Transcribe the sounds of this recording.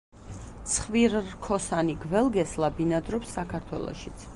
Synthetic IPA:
t̪sʰχviɾkʰɔsaniɡvɛlˠɡɛslabinad̪ɾɔpsːakʰaɾt̪ʰwɛ̰lˠɔ̰ʃit̪sʰ

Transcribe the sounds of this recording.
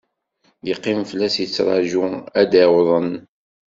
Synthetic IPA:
jəqːimflːæsjət͡sːɾˤɑ̰ʒuæd̪æwðˤən

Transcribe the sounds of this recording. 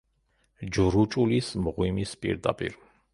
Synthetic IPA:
d͡ʒɾut͡ʃʼulismʁwimispʼḭɾd̪a̰pʼḭɾ

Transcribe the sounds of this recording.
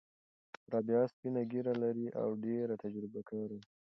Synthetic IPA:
ɾɑbjɑspinaɡiɾalaɾiʔa̰wɖeɾat̪ad͡ʒɾɪbakaɾi

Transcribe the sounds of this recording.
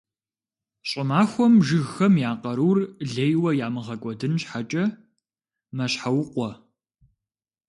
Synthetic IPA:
ɕʼɪmaːxʷɔmʒɨɣxɐmjaːqɐɾuːrɮejwɐjaːmɨʁɐkʷʼɔdɨnɕħat͡ʃʼɐ | mɐɕħawqʷɔ

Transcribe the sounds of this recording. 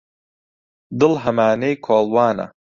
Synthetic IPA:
d̪ɨlɦɐmaːnejkʰoːlˠwaːnɐ̰

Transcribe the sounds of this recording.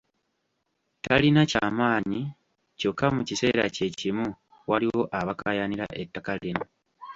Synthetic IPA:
talinacaːmaːɲi | co̞kːamucise̞̰ːɾa̰ce̞cimu | waliwo̞ʔaβakajaniɾa̰ʔe̞tːakalino

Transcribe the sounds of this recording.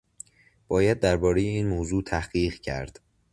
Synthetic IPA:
b̥ɒːjæd̪̚ːæɾbɒːɾejeiːnmoːzuːt̪ʰæhɢiːɢcʰæ̰ɾd̪̥

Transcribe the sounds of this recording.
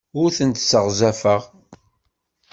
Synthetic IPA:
ʊɾθənt̪səʁzæfəʁ

